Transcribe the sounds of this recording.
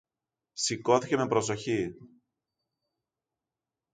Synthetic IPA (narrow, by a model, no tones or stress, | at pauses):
siko̞θice̞me̞pɾo̞so̞çi